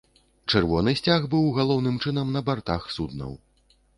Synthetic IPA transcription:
t͡ʂɛrvɔnɨsʲt͡sʲaɣbɨwɣalˠɔwn̪ɨmt͡ʂɨnɐmnɐbart̪axsud̪nɐ̰w

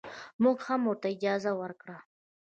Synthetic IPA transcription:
mʊɡhamʊɾt̪aɪd͡ʒɑzawəɾkɽa

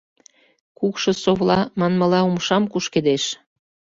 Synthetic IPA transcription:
kukʃɤ̆soβlɑmɑnməlɑumʃɑmkuʃked̪eʃ

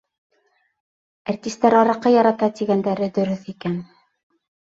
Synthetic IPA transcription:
art̪ʲist̪ːæɾɑɾɤ̆qːɤjɑɾɑt̪ɑt̪iɡænd̪æɾɘd̪ɵ̆ɾɵθikæn

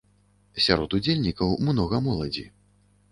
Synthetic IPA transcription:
sʲaɾɔt̪ud͡zʲelʲnʲikɐwmnɔɣɐmɔlˠɐd͡zʲi

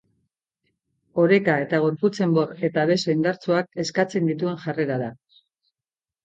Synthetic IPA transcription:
o̞ɾe̞kae̞t̪aɣ̞o̞ɾput͡se̞mbo̞re̞t̪aβe̞so̞ind̪aɾt͡suak̚e̞skat͡se̞nd̪it̪ue̞ŋʝare̞ɾaða

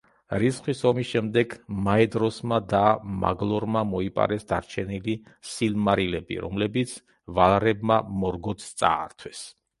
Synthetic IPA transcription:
ɾisχwisɔmisʃɛmd̪ɛɡmaɛd̪ɾɔsmad̪ama̰ɡlˠɔɾmamɔipʼa̰ɾɛsd̪aɾt͡ʃʰɛnili | silmaɾilɛbḭɾɔ̰mlɛbit̪sʰ | valˠɾɛbmamɔɾɡɔt̪st̪sʼa̰ːɾt̪ʰwɛs

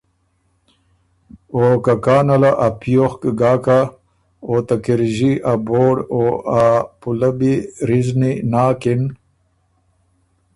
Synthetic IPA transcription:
oːkakaːnɐlaʔapijoxkɡaːka | ot̪akiɾʑiʔaboːɽoapulabiɾizninaːkin

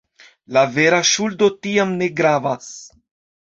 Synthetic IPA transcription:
lave̞ɾaʃuldo̞tiamne̞ɡɾavas

